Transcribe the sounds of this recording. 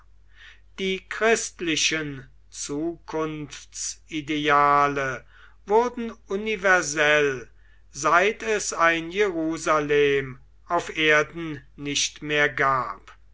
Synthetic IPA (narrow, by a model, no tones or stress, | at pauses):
d̥iːkʁɪstlɪʃən | t͡suːkʰʊnftt͡sideaːlə | vʊɐdn̩univɛɐzɛl | zaɪtɛsaɪnjeʁuːzaleːm | ʔaʊfʔeːɐdn̩nɪʃtmeːɐɡaːp